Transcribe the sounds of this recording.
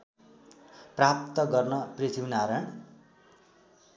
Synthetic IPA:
prap̚t̪ʌɡʌrnʌprit̪ʰibnaɾʌɳ

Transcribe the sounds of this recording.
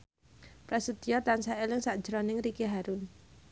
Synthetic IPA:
pɾasəd̪̥ijɔt̪ansaelɪŋsaʔd̥ʒ̥əɾɔnɪŋɾikiɦaɾʊn

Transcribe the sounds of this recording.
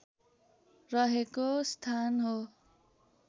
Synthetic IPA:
rʌɦekost̪ʰanɦo

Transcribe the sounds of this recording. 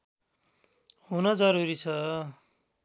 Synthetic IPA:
ɦunʌd͡zʌɾuɾit͡sʰʌ

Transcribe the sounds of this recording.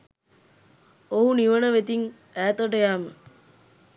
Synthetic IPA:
oɦuniʋənəʋet̪iŋ | æːt̪oʈəjaːmə

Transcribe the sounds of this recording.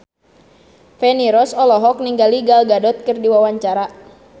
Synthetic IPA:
fɛniɾɔsɔlɔɦɔk̚niŋɡaliɡalɡadɔt̪̚kərdiwawaɲt͡ʃaɾa

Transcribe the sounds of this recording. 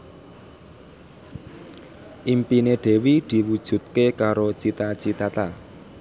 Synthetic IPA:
ʔimpineɖ̥e̤wid̪̥i̤wud̥ʒ̥ṳt̪̚kekaɾot͡ʃit̪at͡ʃit̪at̪a

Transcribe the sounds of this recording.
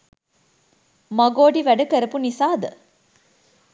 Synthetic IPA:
mɐɡoːɖiʋæɖɐkəɾəpunisaːd̪ə

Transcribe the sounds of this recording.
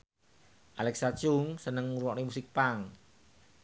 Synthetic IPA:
ʔalɛksat͡ʃuŋsənəŋmuɾuwɔʔnimusɪk̚paŋ

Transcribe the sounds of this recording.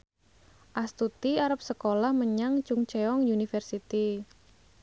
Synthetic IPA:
ʔast̪ut̪iaɾəp̚səkolahməɲaŋt͡ʃuŋt͡ʃɛɔŋjunifɛrsit̪i

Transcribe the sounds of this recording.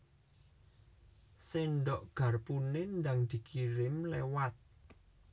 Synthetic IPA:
seɳɖɔʔɡ̥ä̤rpunend̪aŋd̪̥i̤kʰiɾɪmlewat̪̚

